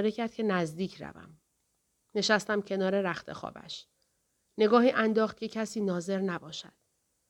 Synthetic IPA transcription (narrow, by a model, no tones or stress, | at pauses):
ɾecʰæɾd̪̥̚cʰe̞næzd̪iːcʰɾæ̰væ̰m | ne̞ʃæst̪æmcʰe̞nɒːɾe̞ɾæxt̪ʰe̞̰xɒ̰ːbæ̰ʃ | ne̞ɡɒːɦiːʔænd̪ɒːxt̪̚cʰe̞cʰæsiːnɒːze̞ɾnæbɒːʃæ̰d̪̥